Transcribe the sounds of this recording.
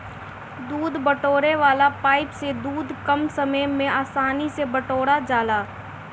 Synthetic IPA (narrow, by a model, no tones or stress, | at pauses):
d̪uːd̪bəʈoːɾeʋaːlapaːɪpsed̪uːd̪kɐmsɐməjmẽaːsaːnisebɐʈoːɽad͡ʒaːlaː